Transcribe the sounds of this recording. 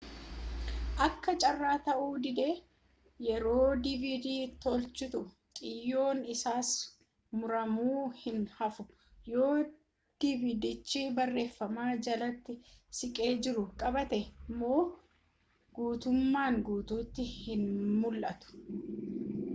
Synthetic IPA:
ʔɐkːɐt͡ʃʼɐrːaːt̪ɐʔuːd̪ɪd̪eː | jɛɾo̞ːd̪ɪvid̪iːt̪ɔlt͡ʃːɪt̪ʊ | kʼɪjːo̞ːnɪsaːs | mʊɾɐmuːhɪnhɐfʊ | jo̞ː | d̪̥ɪvɪd̪ɪt͡ʃːɪbɐrːe̞ːfːɐmaːd͡ʒɐlɐt̪ːɪsɪkʼe̞ːd͡ʒɪɾʊkʼɐbɐt̪ɛmo̞ː | ɡuːt̪ʊmːaːŋɡuːt̪uːt̪ːɪhɪnmʊlʔɐt̪ʊ̥

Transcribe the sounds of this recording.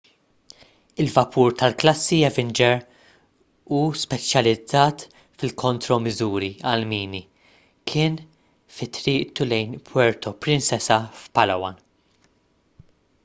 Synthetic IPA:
ɪlvɐpʰuːɾt̪ɐlklɐsːiɛvɪnd͡ʒɛɾ | uːspɛt͡ʃjɐlɪd͡zːɐːt̪ | fɪlkʰɔnt̪ɾɔmɪzuːɾiɐlmiːni | kʰɪːn | fɪt̪ɾiːʔt̪ulɛjnpʰwɛɾt̪ɔpɾɪnsɛsɐfpɐlɐwɐ̰n

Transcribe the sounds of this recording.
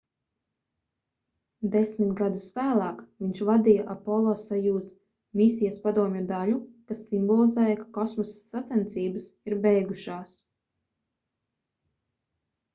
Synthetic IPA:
d̪esʲmit̪ɡad̪usvæːlˠaːkviɲʃvad̪ijaʔapɔlˠɔsajuːzt̪ | mʲisʲijaspad̪uɔmʲjɔd̪aʎukasːimbɔlˠizɛːjakakɔsmɔsat̪sɛnt̪sʲiːbasiɾbɛjɡuʃaːs

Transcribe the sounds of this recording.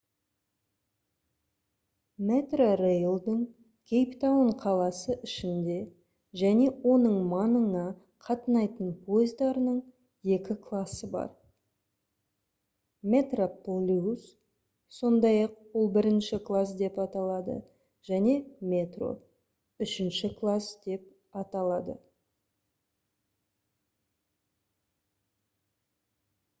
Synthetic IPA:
met̪rorejlˠd̪əɴ | kʲʰejpt̪awəɴqʰɑlˠɑsəʔɪʃɪnd̪e̞ | ʒæne̞wo̞nəɴmɑnəɴɑ | qʰɑt̪ənɑjt̪ənpʰo̞jɪzd̪ɑɾənəɴ | je̞kʲɪkʰlˠɑsəbɑ̰ɾ | mʲe̞t̪roplʲus | so̞nd̪ɑjɑq̚wolˠbɪɾɪnʃɪklˠasd̪e̞pɑt̪ɑlˠɑd̪ə̰ | ʒ̥æne̞mʲe̞t̪ro̞̰ | ʏʃɪnʃɪkʰlˠasd̪̥e̞p̚ | ɑt̪ɑlˠɑd̪ə̰

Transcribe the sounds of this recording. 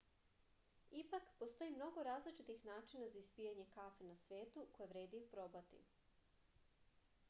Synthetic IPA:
ipakpost̪o̞jimno̞ɡo̞ɾaːzlit͡ʃit̪ixnaːt͡ʃinazaispijaɲe̞kafenasʋe̞ːt̪uko̞jeʋɾe̞ːd̪iupɾoːbat̪ḭ

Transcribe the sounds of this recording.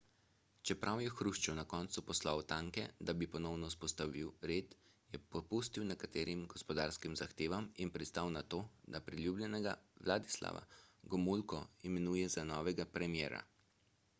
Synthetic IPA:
t͡ʃɛpɾʔawjɛxɾuʃt͡ʃɛwnakɔːnt̪supɔslawt̪aːŋkɛd̪abipɔnɔwnɔspɔst̪aʋiwɾeːt̪ | jɛpɔpust̪iwnɛkat̪eːɾimɡɔspɔd̪aɾskimzaxt̪eːʋaminpɾɛt̪st̪awnat̪oːd̪apɾilʲjublʲjɛnɛɡaʋlaːd̪isla̰ʋa̰ɡɔmulkɔimɛnuːjɛzanɔːʋɛɡapɾɛmjɛ̰ːɾa̰

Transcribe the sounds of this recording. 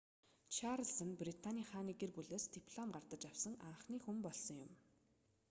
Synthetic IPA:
t͡ɕʰaɾə̆ɮsə̆nprit̪ʰanʲiːχaːniːɡerɡuɮeːst̪ipʰɮɔmɢart̪ə̆t͡ɕawsə̆ŋa̰ɴχniːxumpɔɮsɞ̆ŋjʊm

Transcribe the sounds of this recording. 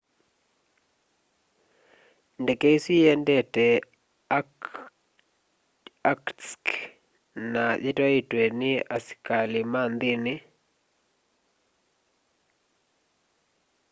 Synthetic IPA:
ndɛkeisijɛndɛtɛ | akk | naðɪtaitwenɪaskalɪmand̪ɪnɪ

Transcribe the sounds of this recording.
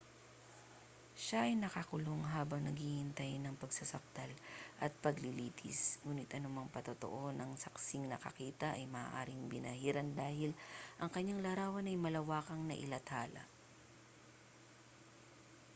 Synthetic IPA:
ʃaʔɐjnɐkakʊloŋɦaːbɐŋnɐɡhiːhɪnt̪ajnɐŋpɐɡsasɐk̚d̪̥alʔɐt̪̚pɐɡlɪliːt̪ʰɪ̰sŋuːnɪt̪ʔɐnʊmɐŋpɐt̪ot̪o̰ʔo̞nɐŋsɐksɪŋnɐkɐ̰kiːt̪ɐʔɐjmɐa̰ːʔaːɾɪŋbɪnɐhiɾɐnd̪aːhɪlʔɐŋkɐɲaŋlɐɾaːwɐnɐjmɐlɐwaːkɐŋnɐ̰ʔɪ̰lɐt̪haːlɐ̰

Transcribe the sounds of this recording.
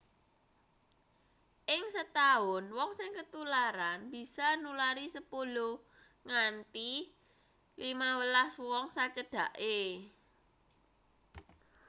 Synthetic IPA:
ʔɪŋsət̪aʊnwɔŋsɪŋkət̪ulaɾanb̥i̤sanulaɾisəpulo | ŋant̪i | limawəlaswɔŋsat͡ʃəɖ̥ä̤ʔe

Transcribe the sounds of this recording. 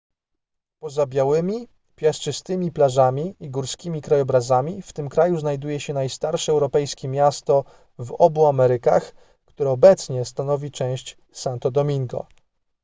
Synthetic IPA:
pɔzabʲjawɘmʲi | pʲjast͡ʂɘst̪ɘmʲiplaʐamʲiiɡuɾskʲimʲikɾajɔbɾazamʲift̪ɘmkɾajuznajd̪ujɛɕɛnajst̪aɾʂɛɛwɾɔpɛjskʲɛmʲjast̪ɔ | vɔbuamɛɾɘkax | kt̪uɾɛɔbɛt̪sɲɛst̪anɔvʲit͡ʂɛ̃w̃ɕt͡ɕ | sant̪ɔd̪ɔmʲiŋɡɔ̰

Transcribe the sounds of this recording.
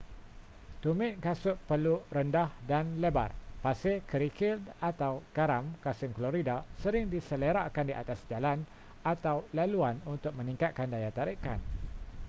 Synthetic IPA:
t̪umɪt̪̚kasʊʔpərluɾəndahdanleba̰rpasɪkʰəɾikɪldat̪awkaɾamkasɪŋkloɾidasəɾɪŋdisələɾaʔkandiʔa̰t̪asd͡ʒalan | at̪awlaluanunt̪ʊk̚mə̃nĩŋkat̪̚kandajat̪aɾika̰n

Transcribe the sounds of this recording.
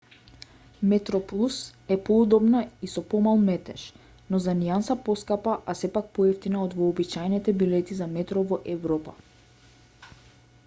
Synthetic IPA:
mɛt̪ɾɔplˠusɛpɔud̪ɔbnaisɔpɔmalˠmɛt̪ɛ̰ʃ | nɔzaniansapɔskapaʔasɛpak̚pɔɛft̪inaɔd̪vɔːbit͡ʃajnit̪ɛbilɛt̪izamɛt̪ɾɔvɔʔɛvɾɔpa

